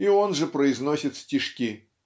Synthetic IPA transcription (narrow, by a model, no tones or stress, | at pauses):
ionʐɨpɾəɪznosʲɪt̪sʲtʲiʂkʲi